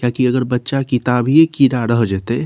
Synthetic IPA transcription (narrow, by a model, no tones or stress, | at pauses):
kakiəɡəɾbətːʃakit̪abijekiɾaɾəɦd͡ʒɛt̪e